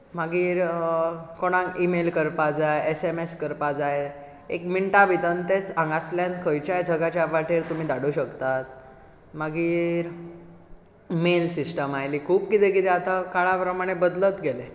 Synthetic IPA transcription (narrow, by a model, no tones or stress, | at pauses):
maɡiːɾ | koɽ̃ãŋimelkəɾpad͡zajesemeskəɾpad͡zaj | ḛkmiɳʈaʋit̪ənt̪et͡sãŋɡaslankʰəjt͡ɕajd͡zʱəɡat͡ɕjaʋaʈiːɾt̪um̤iːd̪aɽuɕəkt̪at̪̚ | maɡiːɾ | melsisʈəmajliːkʰuːpkit̪ekit̪ɛat̪akaɭapɾəmaɽ̃ebəd̪lət̪ɡele